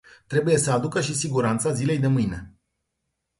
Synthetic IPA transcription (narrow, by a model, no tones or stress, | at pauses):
t̪ɾe̞buje̞səad̪ukəʃisiɡuɾant̪sazile̞jd̪e̞mɨjne̞